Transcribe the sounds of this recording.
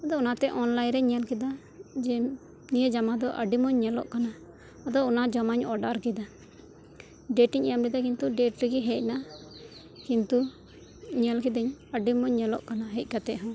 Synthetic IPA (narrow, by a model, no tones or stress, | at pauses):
ad̪ɔɔnat̪ɛʔɔnlajnɾɛɲɛlkɛd̪a | d͡ʒɛ | nijəd͡ʒamad̪ɔʔəɖimɔɲːɛlɔ̰ʔkana | ad̪ɔɔnad͡ʒɔmaɲɔɖaɾkid̪a | ɖɛʈiɲɛjamlid̪akint̪uɖɛʈɾiɡiɦɛc̚na | kint̪u | ɲɛlkid̪ɛɲəɖimɔɲːɛlɔ̰ʔkanaɦɛc̪̚ˀkat̪ɛ̰ʔɦɔ̃